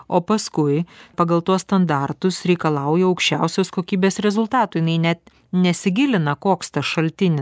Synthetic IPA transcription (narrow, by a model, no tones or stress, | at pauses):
oːpɐskʊɪpɑɡɐlˠt̪uɔsst̪ɐnd̪ɑrt̪ʊsɾʲɛɪkɐlˠɐʊjɛɐʊkʃʲt͡ʃʲɛʊsʲoːskoːkʲiːbʲeːsɾʲɛzʊlˠt̪ɑːt̪uːjɪnɐɪnʲɛt̪̚ | nʲɛsʲɪɡʲɪlʲɪnɐkoːkst̪ɐsʃɐlʲt̪ʲɪnʲɪ